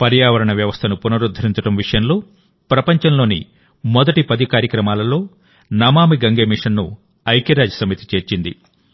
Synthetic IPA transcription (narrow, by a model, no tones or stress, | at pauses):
pɐɾjaːʋɐɾɐɳɐʋjɐʋɐst̪ʰɐnupunɐɾud̪ʱːɐɾiɲt͡ʃɐɽɐmʋiʂɐjɐmloː | pɾɐpɐɲt͡ʃɐnlo̞ːnḭ | mɔd̪ɐʈipɐd̪ikaːɾjɐkɾɐmaːlɐlo̞ː | nɐmaːmiɡɐŋɡeːmiʂɐnːu | ɐjkiɾaːd͡ʒɐsɐmit̪i̥t͡ʃe̞ːɾt͡ʃind̪ḭ